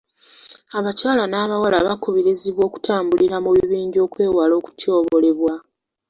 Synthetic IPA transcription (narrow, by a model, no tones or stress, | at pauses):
aβacaːlanaːβawalaβakuβiɾiziβwo̞ːku̥taːmbuliɾamuβiβiːɲɟo̞ːkwe̞ːwalo̞ːku̥tʰjo̞ːβole̞βwa